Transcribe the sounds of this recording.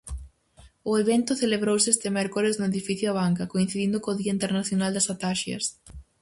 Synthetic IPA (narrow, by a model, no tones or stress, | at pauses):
ʊeβent̪ʊθeleβɾowsɪest̪emɛɾkoɾeznʊeðifiθjʊaβ̞aŋkɐkoin̟θiðind̪ʊkoːðiɐint̪eɾnaθjonald̪ɐsat̪aʃjɐ̰s